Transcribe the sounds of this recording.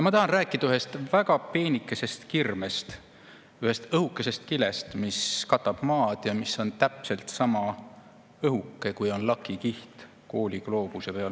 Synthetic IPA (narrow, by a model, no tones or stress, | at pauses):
jɑmɑt̪ɑhɑnræːkːˑid̪̥ɑyhest̪væɡ̥ɑpe̞ːnikːˑese̞st̪kirmest̪ | yhe̞st̪ɤhukːˑe̞se̞st̪kilest̪miskɑt̪ːˑɑb̥mɑːd̪̥jɑmisːo̞nt̪æpse̞lt̪sɑmɑ | ɤɦukːe̞kujo̞nlɑkːˑikiht̪ | koːlʲiɡ̥lo̞ːb̥usepeɑl